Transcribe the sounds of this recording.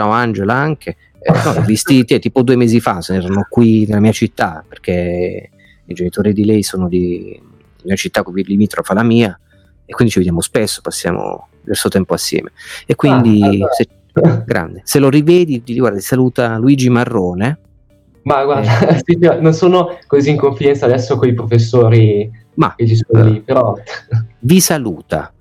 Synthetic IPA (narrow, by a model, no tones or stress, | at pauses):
t͡ʃaːmoand͡ʒelaaŋkʰe | nɔɛvist̪it̪iɛt̪ːiːpod̪uːemeːzifasenɛɾanokwinelamiːat͡ʃit̪ːaperk̟e | id͡ʒenit̪oːɾid̪ilɛjsoːnod̪i | imiːat͡ʃit̪ːakovilimiːt̪ɾofalamiːa | ekwind̪it͡ʃived̪jamospesːo̥pasːja̰ːmo̰d̪ivɛrsot̪ɛmpoasːjɛ̰ːmeekːwind̪ise | ɡɾʔa̰nd̪eseloɾivɛːd̪id̪iliɡwaɾd̪at̪isaluːt̪aluiːd͡ʒimarːoːne | maɡward̪asit͡ʃnonsoːnokoziːŋkoɱfid̪ɛnsaːd̪ɛsːokoipɾofesːoːɾi | ma̰ket͡ʃisond̪ifeɾɔt̪ːvisaluːt̪a̰